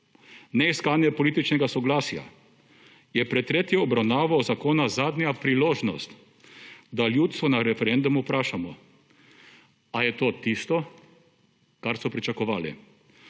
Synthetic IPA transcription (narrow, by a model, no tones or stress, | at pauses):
nɛiskaːnjɛpɔliːt̪it͡ʃnɛɡasɔɡlaːsja̰ | jɛpɾɛt̪ːɾeːt̪jɛɔbɾawnaːʋawzakoːnazaːd̪nʲjapɾiloːʒnɔ̰st̪ | d̪aljuːt̪st̪ʋɔnaɾɛfɛɾɛnd̪umupɾaːʃamɔ | ajɛt̪oːt̪ist̪ɔ | kaɾsɔpɾit͡ʃakɔʋaːlḭ